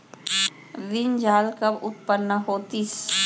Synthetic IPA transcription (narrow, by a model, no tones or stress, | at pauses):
ʋɪnd͡ʒaːlkəbʊt̪̚pənːəɦoːt̪is